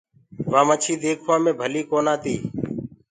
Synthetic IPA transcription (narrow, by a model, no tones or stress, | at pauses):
ʋãːmət͡ʃʰiːd̪eːkʰʋãːmẽːbʱəliːkoːnaːt̪iː